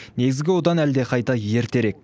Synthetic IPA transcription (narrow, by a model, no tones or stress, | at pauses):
ne̞ɡʲɪzɡʲɪwo̞d̪ɑnæld̪e̞qʰɑjt̪ɑje̞ɾt̪e̞ɾe̞k̚